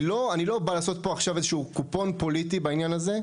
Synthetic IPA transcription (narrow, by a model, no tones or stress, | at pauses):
lo̞anilo̞balaːso̞t̪̚po̞aχʃavezeʃuukupo̞npo̞lit̪ibainjanaze̞